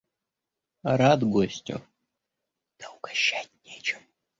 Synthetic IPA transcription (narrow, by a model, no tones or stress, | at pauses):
ɾad̪ɡosʲtʲʊ̰ | d̪̥ɐʊɡɐɕːætʲnʲet͡ʃɪ̥m